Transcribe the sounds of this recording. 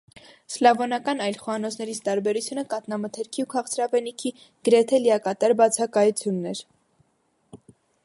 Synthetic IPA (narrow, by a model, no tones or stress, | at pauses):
slɑvɔnɑkɑnɑjlχɔɑnɔt͡sʰnɛɾit͡sʰt̪ɑɾbɛɾut͡sʰjunəkɑt̪nɑmət̪ʰɛɾkʰiukʰɑχt͡sʰɾɑvɛnikʰi | ɡ̥əɾɛt̪ʰɛliɑkɑt̪ɑɾbɑt͡sʰɑkɑjut͡sʰjunːɛɾ